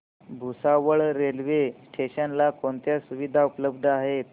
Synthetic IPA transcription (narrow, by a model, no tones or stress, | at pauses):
bʱusaʋəɭɾelʋesʈʰeɕənlakont̪jasuʋid̪ʱaupləb̚d̪ʱəaɦet̪